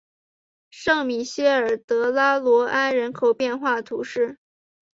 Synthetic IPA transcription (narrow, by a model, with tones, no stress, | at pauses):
ʂɤ˥˩ŋmi˨˩ɕjɛ˥ə˞˨˩t̪ɤ˧˥la˥lwɔ˧˥ʔa˥nɻə˧˥nkʰo˨˩ʊpjɛ˥˧nxwa˥˩t̪ʰṵ˧˥ʂɻ̩˥˩